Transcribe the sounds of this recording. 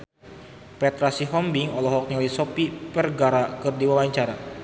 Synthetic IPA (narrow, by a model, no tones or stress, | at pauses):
pɛt̪ɾasiɦɔmbiŋɔlɔɦɔk̚ɲiɔlisɔpipərɡaɾakɨrdiwawaɲt͡ʃaɾa